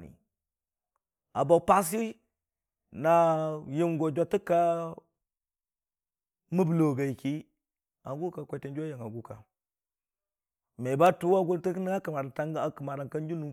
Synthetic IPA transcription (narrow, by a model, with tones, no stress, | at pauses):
nḭ˨ | a˨bo˨pa˦s̬i˦ | na˨ji˦mɡo˨d͡ʒa˨tə˦ka˦ | mə˦blo˨ɡa˨i˨ki˦ | a˨ɡu˦ka˨kʷa˦te˨n˦d͡ʒo˦ja˨ŋa˨ɡu˦ka̰˨ | me˨ba˦tu˦wa˦ɡu˦ntə˦kna˦a˦kə˨ma˨ɾa˨ta˦ŋ˦a˨kə˨ma˨ɾa˨nka˦nd͡ʒu˦nu˨